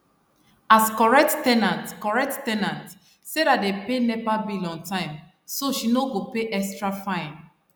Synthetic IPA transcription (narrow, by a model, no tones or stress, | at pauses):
askɔɹɛk̚ttɛnãntkɔɹɛk̚ttɛnãnt | sedatdepenɛvabilɔ̃ŋtãɪ̃m | soʃinoɡopeʔɛkstɹafãɪn